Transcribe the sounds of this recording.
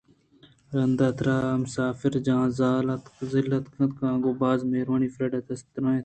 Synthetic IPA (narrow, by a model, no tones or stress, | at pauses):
ɾɐnd̪ɐt̪ɾaːmsaːfɪɾd͡ʒãːzaːlɐt̪zɪlːɐt̪kʰɐ̃t̪kãːɡoːbaːzmeɾwaniːfɾɐɖɐt̪ʰɐst̪ɾãː